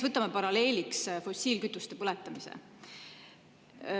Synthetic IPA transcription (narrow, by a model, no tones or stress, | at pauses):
vɤt̪ːˑɑmɑpɑɾɑle̞ːlʲiksfo̞sʲiːlkyt̪ːˑust̪e̞pɤlɛt̪ːˑɑmisḛ